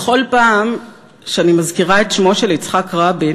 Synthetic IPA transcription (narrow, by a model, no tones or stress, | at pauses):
χo̞lpaːm | ʃeanimazkiʁae̞tʃmo̞ʃe̞lit͡sχakʁabi